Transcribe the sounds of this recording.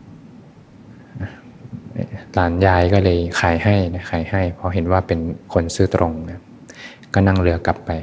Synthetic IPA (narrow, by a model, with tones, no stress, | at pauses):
ʔa˧ | ʔlaː˩˦njaː˧jkɔː˥˩lɤː˧jxʰaː˩˦jha˥˩jna˦˥xʰaː˩˦jha˥˩jpʰɔ˧˥ɦe˨˩˦nwaː˥˩pe˨˧nkʰo˧nsɯː˥˩t̪ɾʔo˧ŋna˦˥˩ | kɔː˥˩na˥˩ŋlɯ˧ɐka˨˩˦pːa˧j